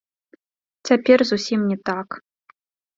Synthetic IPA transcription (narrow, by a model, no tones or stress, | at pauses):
t͡sʲapʲɛrzusʲimnʲɛt̪ak